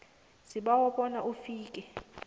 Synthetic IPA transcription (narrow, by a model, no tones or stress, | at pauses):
siɓawɔɓɔnaʔufiːkʼɛ